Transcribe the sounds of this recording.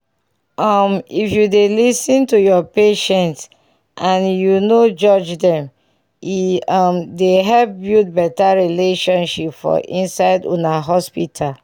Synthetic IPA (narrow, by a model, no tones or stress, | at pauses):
ʌmifjudelisĩntujɔpeʃɛ̃nt | ʔãnjunod͡ʒɔd͡ʒdɛ̃m | imdeɦɛpbjut̚bɛtaɹileʃɔ̃nʃipfɔ̰ʔĩnsaɪdṵnaɦɔspitʰal